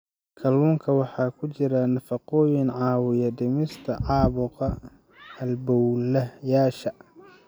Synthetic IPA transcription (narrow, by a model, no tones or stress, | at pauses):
kʰɐluːŋkʰɐwɑħɑːkʰʊt͡ʃɪɾɐnɐfɑqɔːjɪnʕɑːwɪjɐɖɪmɪst̪ʰɐʕɑːβʊqɐ | ɐlbɔwlɐjaːʃɐ